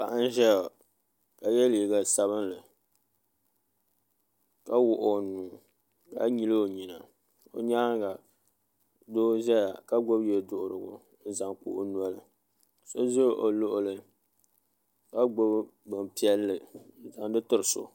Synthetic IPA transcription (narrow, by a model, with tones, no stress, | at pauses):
pa˨ʔa˦n˦ʒɛ˦ja˨ | ka˨jɛ˦liː˨ɡa˨sa˨βɨ˦nlɨ˨ | ka˦wʊ˦˨ʔo˨nuː˨ | ka̰˦ɲi˦lo˦o˨ɲi˨na˨ | o̰˨ɲa˦ŋɡa˨ | doː˦ʒɛ˦ja˨ka˦ɡo˦bjɛ˨dʊ˦ʔʊ˨ɾʊ˨ɡʊ̰˨ | n̩˦za˨ŋk͡pṵ˦˨ʔʊ˦n˦a˦lɨ˨ | so˦zo˦ʔo˨lo˦ʔʊ˨lɨ˨ | ka˦ɡ͡bo˦bbɨ˨m˨pi˦ɛ˦lːɨ˨n̩˦za˨ŋdɨ˦tɨ˨ɾɨ˨so̰˨